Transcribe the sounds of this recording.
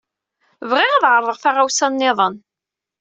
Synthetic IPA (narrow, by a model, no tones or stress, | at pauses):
vʁɪʁaðʕəɾˤðˤəʁfaʁawsænːɪðˤən